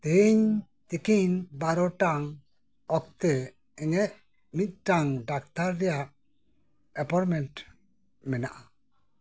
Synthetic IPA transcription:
t̪eɲ | t̪ikinbaɾɔʈaŋ | ɔk̚t̪ɛ | ɛŋɛʔ̪̚ | mit̪̚ˀʈaŋɖak̚t̪aɾːɛjaʔ | ɛpaɾmɛnʈ | mɛna̰ʔa

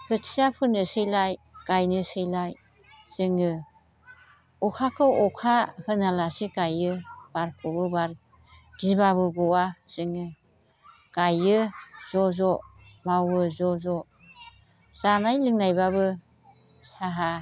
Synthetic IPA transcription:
hʰɯtʰijapʰɯnɯsɯjlajɡ̥ajnɯsɯjlaj | z̥ɯŋɯ | ɔkʰakʰɯɔkʰahɯnalasikajɯb̥aɾkʰɔbɯbaɾ | ɡ̥ibaβɯɡɔwaz̥ɯŋɯ | ɡ̥ajɯz̥ɔzɔ | mawɯzɔzɔ | z̥anajlɯŋnajbabɯ | saɦa

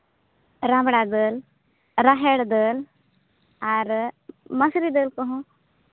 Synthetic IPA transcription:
ɾãːmbɽad̪əl | ɾaɦeɽd̪əːl | aɾmɐsɾid̪əːlkɔɦũ

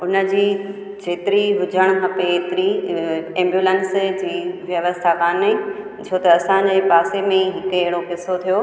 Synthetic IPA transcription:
ʊnə̆d͡ʑiː | d͡ʑeːt̪ɪɾiɦʊd͡ʑʱəɽ̃kʰɐpet̪ɪɾiɛ̃ːmbjuːlənsd͡ʑiːʋjɐʋəst̪ʰakaːne | t͡ɕʰoːt̪ɐːsãd͡ʑeːpaːsemẽɦɪkeɦɪɽokɪsot̪ʰijo

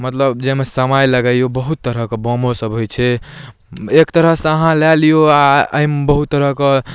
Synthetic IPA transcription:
mət̪ləbd͡ʒemesəmajləɡəjobəɦut̪ːəɾəkebomosəbɦojt͡ʃʰɛ | ekt̪əɾəɦseəɦãlɛlijoaə̰imbəɦut̪ːəɾəke

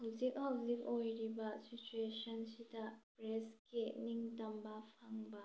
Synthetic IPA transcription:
hɐwzik̚hɐwzik̚ojɾibɐsit͡ʃuesɐnsidɐpɾeskiniŋtɐmbɐpʰaŋbɐ

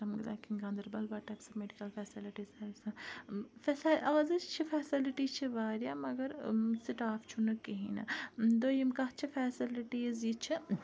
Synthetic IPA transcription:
tɐmɡila̰ːkʰinɡaːnd̪ɐɾbɐlbaːʈɐksɨmeɖikɐlfɛːsiliʈiːzɐɾisɐfsɐzɨt͡ʃʰifʰɛːsiliʈiːt͡ʃʰiʋaːɾjaːmɐɡɐɾsiʈaːft͡ʃʰunɨkiɦḭnɐ̰d̪oːjimkɐt͡ʃʰifɛːsiliʈiːzjit͡ʃʰi

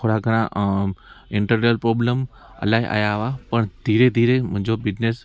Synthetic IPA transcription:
oɽaɡəɾ̃ã | ɪ̃ɳʈəɾɾijəlpɾoːbləm | ɐ̰laːɦiʔa̰ːjaɦʋapəɳd̪ʱiːɾed̪ʱiːɾemʊ̃ɦɪ̃ɲd͡ʑobɪd͡ʑnes

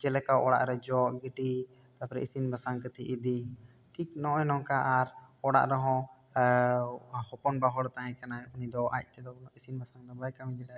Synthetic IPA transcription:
t͡ʃɛlɛkaʔɔɽa̰ʔɾɛd͡ʒɔʔɡiʈi | t̪apɾɛ̰isinbʱasaŋkət̪iʔid̪i | ʈʰiknɔɔjnɔ̃ŋkaʔaɾɔɽa̰ʔɾɛɦɔ̃ | hɔpɔnbaɦɔɽt̪aɦɛ̃kanaunid̪ɔʔa̰c̚ˀt̪ɛd̪ɔisinbasaŋd̪ɔbajkamid͡ʒɛʈa

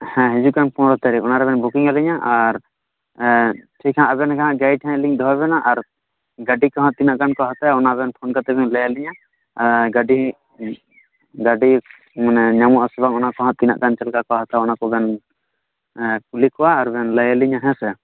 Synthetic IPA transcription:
hɛ̃ɦɛd͡ʒukanpʰɔnɾɔt̪aɾiɔnaɾɛbɛnbukiŋaliɲaʔaɾ | tʰikʰaãʔəbɛnkʰaɦãʔɡajʈʰɛ̃liŋd̪ɔɦaβɛnaʔaɾ | ɡaɖikɔ̃ɦɔ̃t̪̚ːinaʔkankɔaɦat̪aɔnabɛnpʰɔnkat̪ɛbɛŋləjɛliɲa | ɡaɖi | ɡaɖi | manɛɲamɔʔasɛbaŋɔnakɔɦɔ̃t̪̚ːina̰ʔkant͡ʃɛlkakɔaɦat̪ʰaɔnakɔbɛn | kulikɔwaːɾbɛnləjɛliɲaɦɛ̃sɛ

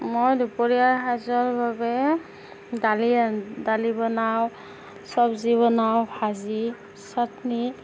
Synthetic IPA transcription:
mojdupɔɹijaɦazɔɹbabɛ | dalidalibɔnaw | sɔbziβɔnawbʰʱazi | satni

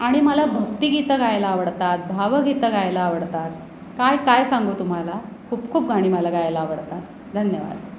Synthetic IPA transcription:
aɽ̃iməlabʱəkt̪iɡit̪əɡajlaːʋəɽt̪at̪̚bʱaʋəɡit̪əɡajlaːʋəɽt̪at̪̚ | kajkajsaŋɡuːt̪um̤alakʰuːpkʰuːp̚ɡʱaɽ̃iːməlaɡajlaːʋəɽt̪at̪̚ | d̪ʱənjəʋa̰d̪

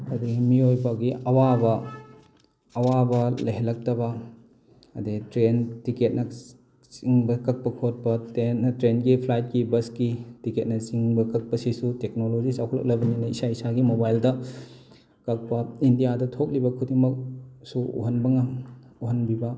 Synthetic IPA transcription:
ɐdɐɡimiojbɐɡiʔɐwabɐ | ɐwabɐlɐɦelɐk̚tɐbɐ | ɐdetɾentiket̚nɐ | t͡ʃiŋbɐkɐk̚pɐkʰot̚pɐtentɾenɡipʰlajt̚kibɐskitiket̚nɐt͡ʃiŋbɐkɐk̚pɐsisutek̚nolod͡ʒisawkʰlɐ̰k̚lɐbɐninɐisaisaɡimobajldɐ | kɐk̚pɐindijadɐtʰok̚libɐkʰudiŋmɐk̚suṵɦɐnbɐŋauɦɐnbibɐ

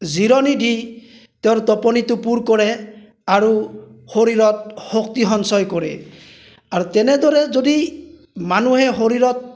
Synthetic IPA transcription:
ziɾɔnidi | tɛʊɹtɔpɔnitʊpuɹkɔɹɛ | aɹuhoɹiɹɔt̚hok̚tiɦɔnsɔjkɔɹɛ | aɹutɛnɛdɔɹɛzodi | manuɦɛɦoɹiɹɔt̚

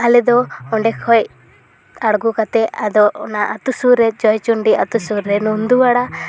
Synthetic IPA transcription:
alɛd̪ɔɔɳɖɛkʰɔj | aɽɡukat̪ɛad̪ɔnaʔat̪usuɾɛd͡ʒɔjt͡ʃuɳɖiat̪usuɾːɛnund̪uaɽa

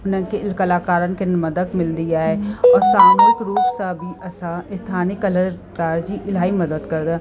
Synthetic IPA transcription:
pnə̃keɪlkəlaːkaːɾənkenməd̪əkmɪld̪iaːɦɛɔːɾsaːmuːnɪkɾuːpsabʱiʔɐsaɪst̪ʰaːnɪkələɾ | kaːɾd͡ʒiʔɪlaːimɐd̪əd̪kəɾd̪a

